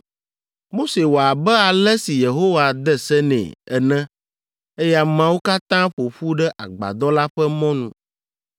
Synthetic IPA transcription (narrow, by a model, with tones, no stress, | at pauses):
mo˦se˨wo˨a˨bɛ˦a˨lɛ˦si˨je˨ɦo˦wa˨d̪ɛ˦sɛ˦nɛ̰̃˨ɛ˨nɛ̃˦ | e˦ja˦mã˦wo˦ka˦t̪ã˦ɸo˨ɸu˦ɖɛ˦ʔa˨ɡ͡ba̰˨d̪ɔ˦la˦ɸɛ˦mɔ̃˦nṵ̃˨